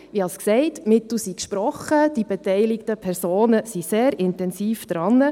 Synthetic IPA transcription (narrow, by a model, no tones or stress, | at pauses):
ʋiɑsksɛɪtmɪtl̩sikʃpɾɔχəd̥ibetɛɪlɪktəpʰɛɾsoːnəsiseːɾɪntɛnsiːfd̥̪ɾɑnːə